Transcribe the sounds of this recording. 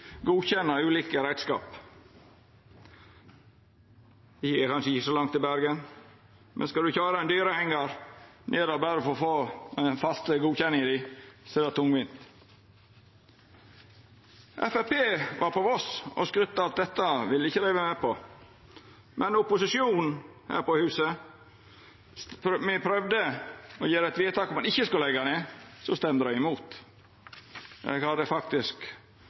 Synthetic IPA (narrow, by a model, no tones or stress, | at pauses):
ɡuːçɛnəʉːliːkəɾæɪd̪skɑ̰ːp | ɪɛkʰɑnʂəɪçəsɔlɑŋt̪ɪlbæɾɡən | mʔɛ̰nskɑld̪ʉçɑːɾɑɛnd̪yːɾəhɛŋɑɾnʔeːɾɔbæːɾəfoːfoːɛfɑst̪əɡuːçɛnːɪŋɪd̪ɪsiːɾɑt̪ʰːʊŋʋɪnt̪ | ʔɛ̰fæpeːʋʔɑɾpʰɔɔsɔ̰skɾʉt̪ːɑɑlt̪̚d̪ɛt̪ːɑʋɪləɪçːəlæɪʋəmɛpʰɔ | mʔɛnʊpʊsɪʃjuːnhæ̰ːɾpɔhʉːsə | mɪpʰɾœʋd̪əɔjeːɾəɛt̪ʋiːt̪ʰɑːkɔmːɑnɪçːəskʉllɛɡɑneːsɔst̪ɛmd̪əɾɑɪmuːt̪ | jɛ̰ɡhɑd̪əfɑk̚t̪ɪsk